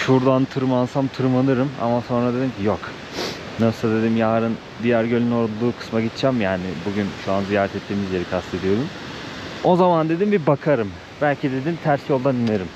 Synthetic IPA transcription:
ʃuɾd̪ant̪ʰɯɾɯmansamt̪ʰɯɾɯmanɯɾɯma̰maso̞nɾad̪e̞d̪imcʰijok | nasˠad̪e̞d̪imjaːɾɯn | d̪ijæɾɟølʲynoɾd̪ulˠuːkʰɯ̥smaɟit̪t͡ʃʰɛmjaːnibuɟynʃuanzijaːɾɛt̪ʰɛt̪ʰːiːmizjeɾikʰast̪ʰe̞d̪ijo̞ɾum | o̞zamand̪e̞d̪imbibakʰaɾɯm | bælʲcʰid̪e̞d̪int̪ʰæɾsʲio̞lˠd̪anieɾɯm

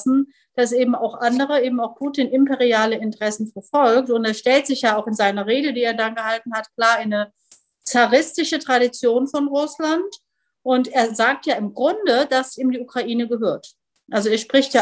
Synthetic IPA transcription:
sn̩ | d̥asʔeːbm̩aʊxʔandəʁ̞əʔeːbm̩aʊxpʰuːtiːnʔɪmpeʁiaːləɪntəʁ̥ɛsn̩fɛɐfɔlk̚tʊnteːɐʃtɛltz̥ɪçjaːaʊxɪnzaɪnɐʁeːdədiːeːɐdanɡəhaltn̩hatkl̥aːɐanə | t͡saʁɪstɪʃətʁ̥aɾit͡sjoːnfɔnʁʊslant | ʔʊnteːɐzaːk̚tjaːɪmɡʁʊndədasiːmdiːukʁ̥aʔiːnəɡəɦøːɐt | ʔalzoeːɐʃpʁ̥ɪçtja

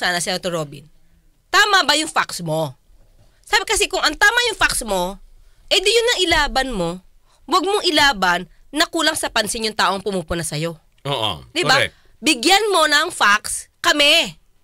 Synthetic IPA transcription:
saːnɐsɪot̪oɾoːbɪ̰n | t̪aːmɐbɐjʊŋfaksmo̞ | sabɪkɐsɛkʊŋʔɐŋt̪aːmɐjʊŋfaksmo̞ | ʔɛd̪ɪjʊnɐŋʔɪlaːbɐnmo̞ | wɐɡ̚moŋʔɪlaːbɐnː | ɐkuːlɐŋsɐpɐnsɪnjʊŋt̪aːʔoŋpʊmuːpʊnɐsɐjo̞ | o̰ʔo̰d̪ɪbaɛ̰ | bɪɡjanmo̞nɐŋfakskɐmɛ

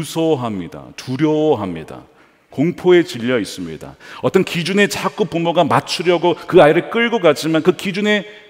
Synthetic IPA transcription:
usʰʌɦamɲida̰tʰuɾjʌwʌɦamɲḭda̰ | koŋpʰoe̞t͡ɕiʎːʌis͈ɯmɲḭda̰ʌt͈ʌnkid͡ʑune̞t͡ɕak͈up͈umoɡamat͡ɕʰuɾjʌɡokɯaiɾɯɭk͈ɯɭɡokat͡ɕ͈imankɯkid͡ʑune̞

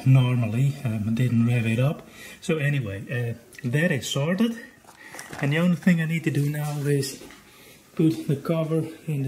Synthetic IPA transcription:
nɔɹməl̩ˠiʌdɪdⁿn̩ɹɛvɨɾʌpsoʊɛñiweɪʌðɨɾɪz̥sɔɹɾɪd | ɨ̃nðiõʊ̃nliθɪ̃ŋaɪnid̚tɨdənaʊɪz̥ | pʰutðəkʰʌvə˞ɪ̃n

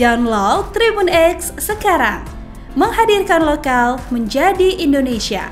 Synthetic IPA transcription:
dawnlɔt̪ɾibunɛkssəkaɾa̰ŋ | məŋɦadirkanlokalməɲd͡ʒadiʔindonesia̰

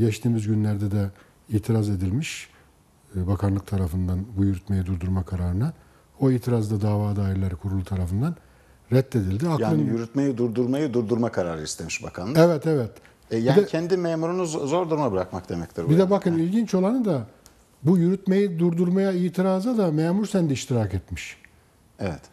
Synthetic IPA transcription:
ɟɛt͡ʃt̪ʰiːmizɟynlʲæɾd̪ɛd̪ɛ | iːt̪ʰiɾaze̞d̪ilʲmiʃ | bakʰanlˠɯk̚t̪ʰaɾafɯnd̪anbujyɾyt̪me̞jid̪uɾd̪uɾmakʰaɾaːɾɯnɯ | o̞iːt̪ʰiɾazd̪ad̪aːvaːd̪aːiɾlʲeɾikʰuɾulˠut̪ʰaɾafɯnd̪an | ɾɛt̪ːe̞d̪ilʲd̪iakjaɯnjyɾyt̪me̞jid̪uɾd̪uɾmajɯd̪uɾd̪uɾmakʰaɾaːɾɯist̪ʰemiʃba̰kʰanɛvɛt̪ɛvɛt̪ | ɛjaiːnd̪ɛcʰɛnd̪imeːmuɾunuzo̞ɾd̪uɾumabɯɾakmakd̪e̞mɛct̪ʰiɾbbid̪ɛbakʰɯnilʲɟint͡ʃo̞lˠanɯd̪a | bujyɾyt̪me̞jid̪uɾd̪uɾmajaiːt̪ʰiɾaːzad̪ameːmuɾsɛnd̪iiʃt̪ʰiɾakɛt̪miʃ | ɛvɛt̪

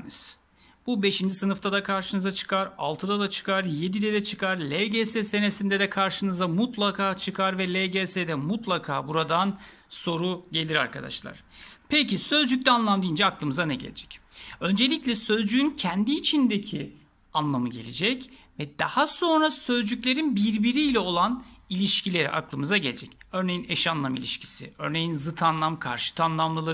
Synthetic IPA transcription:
nz̥ | b̥ube̞ʃind͡ʒisɯnɯft̪ʰad̪akʰaɾʃɯnɯzat͡ʃʰɯ̥kaɾa̰lˠt̪ʰɯd̪ad̪at͡ʃʰɯ̥kʰaɾje̞d̪id̪ɛd̪ɛt͡ʃʰɯkʰaɾlʲeɟesese̞ne̞sind̪ɛd̪ɛkʰaɾʃɯnɯzamut̪lˠakʰaːt͡ʃʰɯkʰaɾvɛlʲeɟesed̪ɛmut̪lˠakʰaːbuɾad̪an | so̞ɾuɟe̞lʲiɾa̰ɾkad̪a̰ʃlˠa̰ɾ̥pʰecisø̞zd͡ʒyc̚ʲt̪ɛanlˠamd̪ijind͡ʒɛaklˠɯmɯzanɛɟḛlʲḛd͡ʒɛ̥cø̞nd͡ʒe̞lʲicʲlʲɛsø̞zd͡ʒyyncʰænd̪iːt͡ʃʰind̪ecʰi | anlˠamɯɟe̞̰lʲed͡ʒɛc | vɛd̪̥a̰haso̞nɾasø̞zd͡ʒycʲlʲe̞ɾinbiɾbiɾiːlʲɛo̞lˠanilʲiʃcilʲeɾḭʔa̰klˠɯmɯzaɟelʲed͡ʒɛcø̞ɾne̞jineʃanlˠamḭlʲiʃcʰi̥sḭø̞ɾne̞jinzɯt̪ʰanlˠamkʰa̰ɾʃɯ̥t̪ʰanlˠamlˠɯlˠɯ

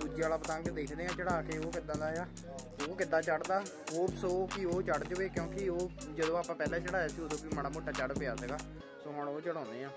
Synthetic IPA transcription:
d̪ud͡ʒaːlaːpət̪ãŋkd̪eːkʰd̪eːãːt͡ʃəɽaːkeːoːkɪd̪ãːd̪aːejaː | oːkɪt̪ːaːt͡ʃəɽd̪aːkoːbsoːkioːt͡ʃəɽd͡ʒoːeːkjõːkɪoːd͡ʒəd̪õːaːpãːpɛːlãːt͡ʃəɽaːjaːsioːd̪õːpiːməɽaːmoːʈːaːt͡ʃəɽpɪjaːsəɡaː | soːɦəɳoːt͡ʃəɽãːnd̪eːãː

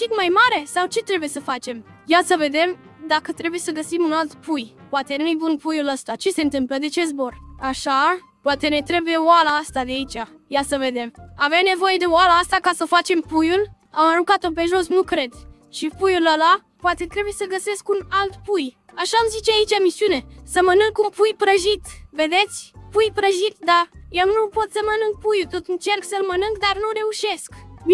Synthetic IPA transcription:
ʃik̪majmaɾe̞sawt͡ʃe̞t̪ɾe̞buje̞səfat͡ʃe̞m | jat̪səve̞d̪e̞m | d̪akət̪ɾe̞buje̞səɡəsimunalt̪puj | poat̪e̞nujebunpujuləst̪at͡ʃe̞se̞ɨnt̪ɨmpləd̪e̞t͡ʃe̞zbo̞raʃa | poat̪e̞ne̞t̪ɾe̞buje̞oalaast̪ad̪eait͡ʃʲa | jasəve̞d̪e̞maveane̞vo̞je̞d̪e̞oalaast̪akasəfat͡ʃe̞mpujul | amaɾuŋkat̪o̞pe̞ʒo̞snukɾe̞d̪ | ʃipujuləla | poat̪e̞t̪ɾe̞bujesəɡəse̞skunalt̪puj | aʃamzit͡ʃeait͡ʃamisiune̞səmənɨŋkunpujpɾəʒit̪ve̞d̪e̞t̪sʲpujpɾəʒit̪d̪ajewnupo̞t̪səmənɨŋk̚pujult̪o̞t̪ɨnt͡ʃe̞rksəlmənɨŋɡd̪arnuɾe̞uʃe̞sk

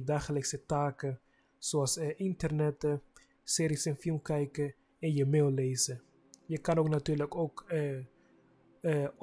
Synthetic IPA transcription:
daːxələksətaːkə | soɑsʔɪntərnɛtə | sɪːɾisɛnfɪlˠmkɛjkə | ɛnjəmeːlˠleːzə | jəkɑnowknatyːɹləkowk

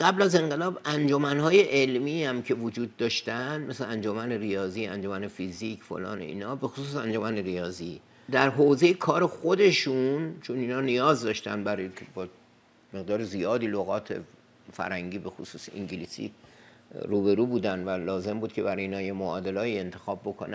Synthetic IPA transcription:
ɢæblæze̞ŋɢe̞lɒːbænd͡ʒo̞mænɦɒːje̞ʔelmiːhæmcʰe̞vod͡ʒuːd̪̚ːɒːʃt̪ænd̪mesleænd͡ʒomænerijɒːziːæ̰nd͡ʒomæne̞fizicʰfo̰lɒ̰ːnḛḭːnhɒːbe̞xosuːsænd͡ʒo̞mæneɾijɒːzi | d̪æɾɦoze̞jekʰɒːɾe̞xod̪e̞ʃunt͡ʃʰoninhɒːnijɒːzd̪ɒːʃt̪æ̰nd̪bæɾɒːjekʰʲebɒ | meɣd̪ɒːɾezijɒːd̪iːloɣɒːt̪ʰe̞̰ | fæ̰ɾhæŋɟiːbe̞xosuːsḭŋɟilisḭː | ɾuːbe̞ɾuːbuːd̪ænd̪vælɒːze̞mbuːd̪̥̚kʲʰe̞bæɾɒjiːnɒːjemoɒːd̪e̞lɒːie̞nt̪ʰe̞xɒːbːo̞kʰo̰næ

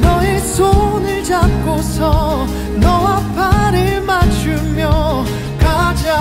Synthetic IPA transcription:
nʌesʰonɯɭt͡ɕat̚k͈ʰosʰʌ | nʌwapʰaɾemat͡ɕumjʌ | kad͡ʑa

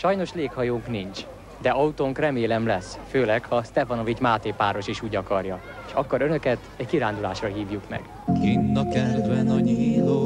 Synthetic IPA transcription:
ʃɒjno̞ʃleːkhɒjoːŋknint͡ʃ | d̪ɛʔɒut̪oŋkrɛmeːlɛmlɛsføːlɛkhɒst̪ɛfɒno̞vit͡ʃmaːt̪eːpaːɾo̞ʃeːʃuːɟɒkɒrjɒ | eʃɒkːoɾønø̞kɛt̪ɛɟkiɾaːnd̪ula̰ːʃrɒɦiːvjukmɛ̰ɡ̥ | kinːɒkɛld̪ʋɛnɒɲiːloː

